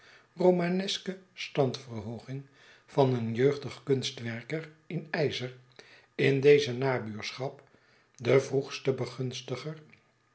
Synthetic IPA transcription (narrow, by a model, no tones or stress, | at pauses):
rowmanɛskəstɑntfərɦowχɪŋ | vɑnənjøɥχdəχkɵnstʋɛɹkər | ɪnɛjzəɹ | ɪndejzənaːbyːɹsχɑp | dəvruχstəbəχɵnstəχər